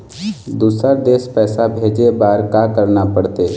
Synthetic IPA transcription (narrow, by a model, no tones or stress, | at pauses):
d̪uːsəɾd̪eːspɛːsabʱeːd͡ʒebaːɾkakəɾnapəɽt̪eː